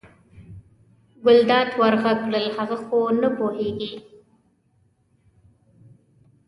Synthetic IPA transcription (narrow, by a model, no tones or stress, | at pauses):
ɡʊld̪ɑt̪waɾɣaɡɽəlhaɣaxonəpoheɡi